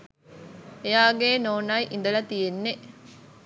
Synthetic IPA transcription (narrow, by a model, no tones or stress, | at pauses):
ejaːɡeːnoːnajʔind̪əlɐt̪ijenːe